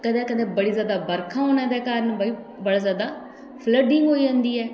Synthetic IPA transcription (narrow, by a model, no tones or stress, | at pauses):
kəd̪ɛ̃ːkəd̪ɛ̃ːbəɽiːzjaːd̪aːbəɾkʰãːoːnãːd̪ɛːkaːɾənbaiː | bəɽaːzjaːd̪aː | pʰləɖɪŋɡɦoːiːd͡ʒãːnd̪iːɛː